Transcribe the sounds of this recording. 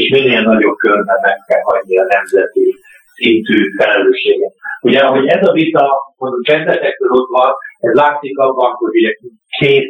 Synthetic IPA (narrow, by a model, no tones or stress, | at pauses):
eʃminːeːlnɒɟo̞b̚kørvɛnɛkɛɒɟːiɾɒnɛmzɛt̪i | sint̪yːfɛlɛløːʃːeːɡɛt̪uɟɛɦo̞ɟɛzɒvit̪ɒokɛzlɛt̪ɛkɾølot̪ʋɒnɛzlaːt̪sikɒbːɒkoɾuɛ | kʰeːt̪